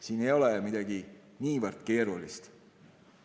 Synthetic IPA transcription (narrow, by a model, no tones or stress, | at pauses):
siːne̞jo̞lemid̪ɑɡi | niːvərd̪̥ke̞ːɾulist̪